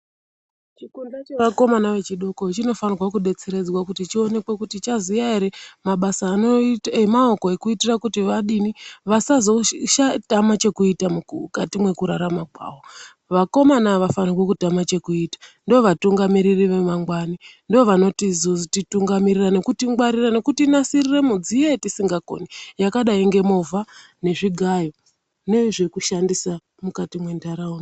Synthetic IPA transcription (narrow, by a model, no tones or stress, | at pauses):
t͡ʃikundat͡ʃe̞ʋako̞manaʋe̞t͡ʃiɗukot͡ʃino̞fanirwakuɗe̞t͡se̞ɾe̞d͡zwakutit͡ʃio̞ne̞kwe̞kutit͡ʃazijaiɾemaɓasaːnoemao̞ko̞e̞kuitirakutiʋaɗiniʋasazo̞ʃatamat͡ʃe̞kuitamukatimwe̞kuɾaɾamakwa̰ːwo | ʋako̞manaʋafanikwekutamat͡ʃe̞kuiːtḁndooʋatuŋɡamiɾiriʋe̞maŋɡwanindooʋano̞tizozitituŋɡamiɾirane̞kutiɡwaɾirane̞kutinasirire̞mud͡zijetisiŋɡako̰nijakaɗaiŋɡe̞mo̞va | ne̞ʐiɡʱajo̞ | ne̞ʐe̞kuʃandisa | mukatimwendaɾaun